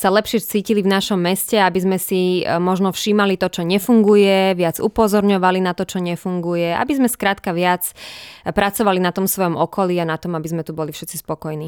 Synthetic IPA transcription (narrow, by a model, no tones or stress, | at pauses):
salɛpʃɪɛt͡siːcilivnaʃɔmːɛscɛabizmɛsimɔʒnɔfʃiːmalit̪ɔt͡ʃɔɲɛfuŋɡujɛʋɪad͡zupɔzɔɾɲɔʋalinat̪ɔt͡ʃɔɲɛfuŋɡujɛa̰bizmɛskɾaːt̪kaʋɪat͡spɾat͡sɔʋalinat̪ɔmsʋɔjɔmɔkɔliːanat̪ɔmabizmɛt̪ubɔlifʃɛt̪t͡sispɔkɔjniː